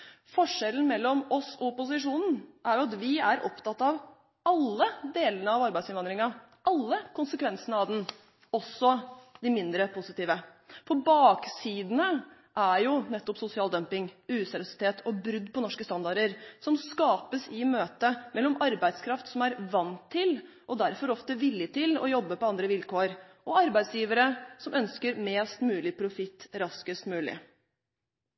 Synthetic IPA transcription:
fɔʂɛlən̩mɛlːɔmɔsɔɔpʊsɪʂuːnn̩ʔæɾjʊɑt̪ʋɪæɾʔɔ̰pt̪ɑt̪ːɑʋ | ɑlːəd̪eːlənəɑʋɑɾbæɪsɪnʋɑnd̪ɾɪŋɑ | ʔɑlːəkʰʊnsəkʰʋɛnsənəɑʋd̪ɛn | ɔsːɔd̪ɪmɪnd̪ɾəpʰʊsɪt̪iːʋəpʰɔbɑːksiːd̪ənə | ʔæɾjʊnɛt̪ːɔpsʊsɪɑːld̪œmpɪŋʉːsɛɾɪʊsɪ̥t̪ʰeːt̪ʰɔbɾʉd̪ːpʰɔnɔʂkəst̪ɑnd̪ɑɾəɾsɔmskɑːpəsɪmøːt̪əmɛlːɔmɑɾbæɪd̪skʰɾɑft̪sɔmæɾʋɑnt̪ʰːɪl | ʔɔd̪æɾfɔɾɔft̪əʋɪljət̪ʰɪlɔ̰jɔbːəpɔɑnd̪ɾəʋɪlkoːɾʔɔɑɾbæɪd̪sjiːʋəɾəsɔmʔœnskəɾmeːst̪mʉːlɪpʰɾʊfɪt̪ːɾɑskəst̪mʉːlɪ̰

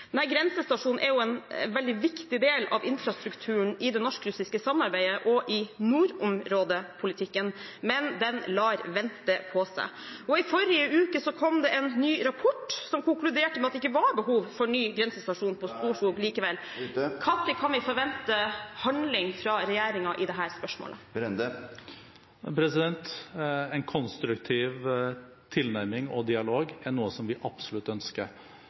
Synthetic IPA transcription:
næɪɡɾɛnsəst̪ɑʂuːnn̩ʔɛɾjʊɛnʋɛld̪ɪʋɪkt̪ɪd̪eːlɑ̰ʋɪnfɾɑst̪ɾʉkt̪ʰʉːɳɪd̪ɛnɔʂkɾʉsɪskəsɑmːɑɾbæɪəʔɔʔɪnuːɾʊmɾoːd̪əpʰʊlɪt̪ʰɪkːənmɛnd̪ɛnlɑːɾʋɛnt̪əpʰɔsæ̰ɪ | ɔɪfɔɾɪəʉːkəsɔkʰɔmd̪ɛʔɛnːyːɾɑpʰɔʈːsɔmkʊŋklʉd̪eːʈəmɛɑt̪ɛɪkːəʋɑɾbəɦuːʋfɔɳyːɡɾɛnsəst̪ɑʂuːnpʰɔst̪uːʂkuːɡliːkəʋɛlː | kʰɑt̪ːɪkʰɑnʋɪfɔɾʋɛnt̪əhɑnd̪lɪŋfɾɑɾɛjeːɾɪŋɑʔɪd̪ɛɦæːɾspœʂmo̰ːlʔə̰ | pʰɾɛsɪd̪ɛnt̪ɛɪnkʰɔnst̪ɾʉkt̪ʰiːʋ | t̪ʰɪlnæɾmɪŋɔ̰d̪ɪɑloːɡæɳuːəsɔmʋɪʔɑb̥sʊlʉt̪ːœnskəɾ

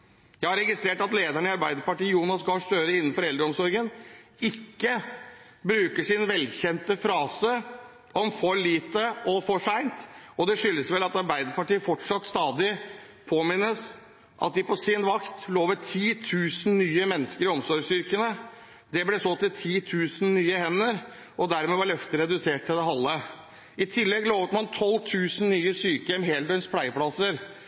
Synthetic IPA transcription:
jæɪhɑɾɛɡɪst̪ɾeːʈɑt̪leːd̪æɳəɪɑɾbæɪd̪əɾpɑʈiːjuːnɑsɡɑʂt̪øːɾəɪnːn̩fɔɾɛld̪ɾəɔmsɔɾɡənɪkːə | bɾʉːkəʂɪnʋɛlːçɛnt̪əfɾɑːsə | ɔmfɔɾliːt̪əɔfɔʂæɪnt̪ɔd̪ɛʂʏlːəsʋɛlɑt̪ɑɾbæɪd̪əɾpɑʈiːəfɔʈʂɑt̪st̪ɑːd̪ɪ | pʰoːmɪnːəs | ʔɑ̰t̪̚d̪ɪpɔsɪnʋɑkt̪loːʋəʈʰiːt̪ʰʉːsn̩nyːəmɛnːəskəɾɪɔmsɔɾsʏɾkənə | d̪ɛblɛsɔlt̪ət̪ʰiːt̪ʰʉːsn̩nyːəhɛnːəɾ | ʔɔd̪æɾmɛʋɑɭœft̪əɾɛd̪ʉseːʈ̚tːɪld̪ɛɦɑlːə | ɪt̪ʰɪlːɛɡloːʋət̪mɑnt̪ʰɔlːt̪ʰʉːsn̩nyːəsyːkəɛmɦeːld̪ɛnspʰlæɪəplɑsəɾ

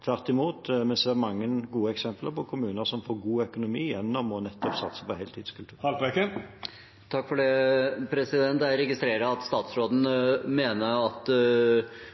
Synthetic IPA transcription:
t̪ʰʋæʁt̪ɪmuːt̪mɛnsd̪ɛæɾmɑŋːəɡuːəɛksɛmpləɾpʰɔkʰʊmʉːnəɾsɔmfoːɾɡuːœkʊnʊmḭːjɛnːɔmɔnɛt̪ːɔpsɑ̰t̪sə̥pɔhɛɪlt̪iːd̪n̩skʰʉlt̪ʉːhɑlʋɛkə | t̪ʰɑkːfɔɖɛpʰɾɛsɪd̪ɛnt̪æɪɾɛɡɪst̪ɾeːɾəɑt̪st̪ɑːt̪sɾoːd̪n̩meːnəɾɑt̪

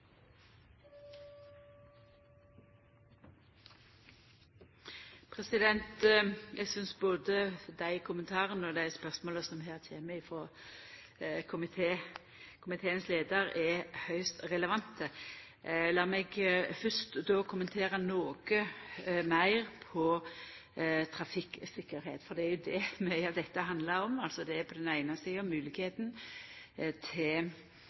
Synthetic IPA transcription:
pʰʁɛsɪd̪ɛnt̪jʔæɪɡsʏnsboːd̪əd̪æɪkʰʊmənt̪ʰɑːʁənəɔd̪æɪspœʁsmoːləsɔmɦæːʁt̪ʰeːməɪfʁɔ | kʰʊmɪt̪ʰeː | kʰʊmɪt̪ʰeːənsleːd̪əʁɛhœʏst̪ɾɛləʋɑnt̪ə | lɑːmɛɡfʏst̪d̪ɔːkʰʊmənt̪ʰeːɾənoːkəmæɪɾpʰɔ | t̪ʰɾɑfɪksɪkːəɾɦeːt̪fɔd̪ɛæɾjʊd̪ɛmɛɪɑʋd̪ɛt̪ːəɦɑnd̪ləɾɔmɑlsɔd̪ɛːɾpʰɔd̪ɛnæɪnəsiːɔmʉːlɪkheːt̪n̩ | t̪ʰɛɪl

